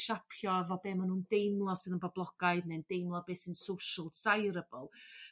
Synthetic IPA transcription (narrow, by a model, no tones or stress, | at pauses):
ʃapʰjɔvɔbeːmanuːndejmlˠɔsɨðənbɔblˠɔɡ̥aɨdnend̥ejmlˠɔbeːsɨnsowʃəlˠsajɾəbəlˠ